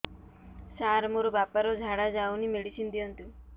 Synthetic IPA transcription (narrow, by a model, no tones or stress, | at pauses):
saɾmoɾobapaɾod͡ʒʱaɽad͡ʒawnimeɽisind̪iɔnt̪u